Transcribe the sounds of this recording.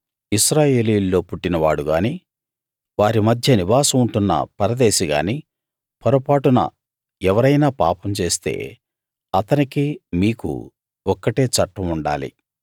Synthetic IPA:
iʃɾaːje̞ːliːlːo̞ːpuʈːinɐʋaːɽuɡaːniː | ʋaːɾimɐd̪ʱjɐniʋaːsɐmuɳʈunːɐ̰pɐɾɐd̪e̞ːʃiɡa̰ːni | pʰɐɾopaːʈunɐ̰ | ɛʋɐɾɐjnaːpa̰ːpɐmt͡ʃe̞ːst̪e̞̰ː | ɐt̪ɐnikimiːkṵ | ɔkːɐʈe̞ːt͡ʃɐʈːɐmuɳɖa̰ːlḭ

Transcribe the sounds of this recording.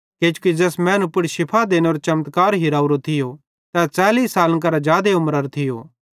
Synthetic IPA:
keːt͡ʃukid͡ʒɛːsmɛ̃ːnʊpʊɽʃɪpʰad̪eːneoɾt͡ʃɐmt̪kaːɾɦɪɾaːuɾot̪ʰɪjo | t̪ɛt͡saːliːsaːlk̬ɐɾad͡ʒaːd̪eʊmɾəɾt̪ʰɪjo̰ː

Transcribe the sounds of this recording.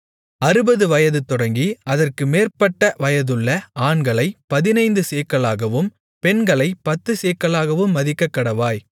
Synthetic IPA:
ɐɾɯbɐðɯʋɐjɐðɯt̪ɔɽɐŋɡiɐðɐrkɯmeːrpɐʈːɐʋɐjɐðɯɭːɐaːnɡɐɭɐɪpɐðɪnɐɪnd̪ɯseːkːɐɭaːɣɐʋɯm | pɛnɡɐɭɐɪpɐt̪ːɯseːkːɐɭaːɣɐʋɯmːɐðɪkːɐkːɐɽɐʋaːj

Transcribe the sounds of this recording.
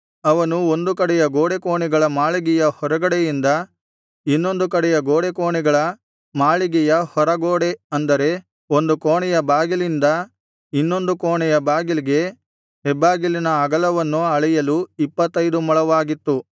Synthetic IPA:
ɐʋɐnuond̪ukɐɽɛjɐɡoːɽekoːɳɛɡɐɭɐmaːɭiɡɛjɐhɔɾɐɡɐɽɛjind̪ɐ | inːo̞nd̪ukɐɽɛjɐɡoːɽekoːɳɛɡɐɭɐ | maːɭiɡɛjɐhɔɾɐɡoːɽeɐnd̪ɐɾe̞ | o̞nd̪ukoːɳɛjɐbaːɡilind̪ɐ | inːo̞nd̪ukoːɳɛjɐbaːɡiliɡe̞ | ɦɛbːaːɡilinɐɐɡɐlɐʋɐnːuɐɭɛjɐluipːɐt̪ːɐjd̪umɐɭɐʋaːɡit̪ːu

